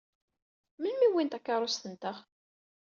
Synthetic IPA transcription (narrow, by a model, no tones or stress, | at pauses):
mənmiwint̪ækːɑɾˤʊst̪ənt̪əχ